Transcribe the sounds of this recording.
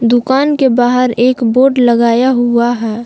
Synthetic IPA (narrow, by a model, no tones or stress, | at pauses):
d̪ʊkaːnkebaːɦəɾeːkboːɾɖləɡaːjaɦuaɦɛː